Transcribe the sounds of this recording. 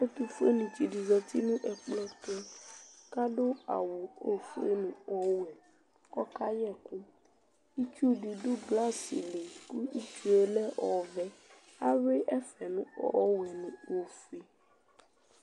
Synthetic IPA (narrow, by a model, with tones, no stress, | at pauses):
o˦t̪u˦fu˦e˦nũ˨t͡ʃi˨ɖi˨zɔ˨t̪i˦nũ˦ʔɛ˨k͡plɔ˦t̪ɔ˦ka˦ɖo˦a̰˨wo˨o˨fu˦e˦nũ˨ɔ˦wɛ˨ | kɔ˦ka˦ɲɛ˦ku˦ | i˦t͡ʃu˦ɖi˨ɖo˦bla˦sḭ˨li˨ku˦i˦t͡ʃu˦ɛ˦lɛ˦ʔɔ˨vɛ˦ | a˦we˦ʔɛ˦fɛ˨nũ˦ɔ̰˦wɛ˨nũ˨wo˨fu˦i˦